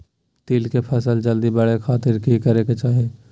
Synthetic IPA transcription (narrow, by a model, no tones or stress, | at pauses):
t̪iːlkepʰəsəld͡ʒəld̪ibəɽekʰaːt̪ɪɾkikəɾeket͡ʃaːɦe